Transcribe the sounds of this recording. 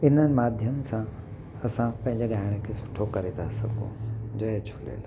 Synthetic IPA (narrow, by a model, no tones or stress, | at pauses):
ɪn̤ənɪ̆maːd̪ʱjəmsã | ɐsãpɐ̃ɦɪ̃ɲd͡ʑeɡaːɪɽ̃ekʰesʊ̥ʈʰokɐɾet̪ʰasɐ̰ɡʱõ̰d͡ʑɐet͡ɕʰʊlḛːla